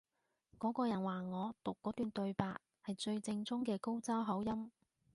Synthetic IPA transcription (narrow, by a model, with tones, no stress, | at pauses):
kɔː˨˥kɔː˧jɐ˨˩nwaː˨ŋɔː˨˧t̪ʊ˨kːɔː˨˥t̪yː˨nt̪ɵ˧ɥpaː˧t̚ | hɐ˨jt͡ʃɵ˧ɥt͡sɪ˧ŋt͡sʊ˥ŋkɛː˧ko˥wt͡sɐ˥wɦɐ˨˥wjɐ˥m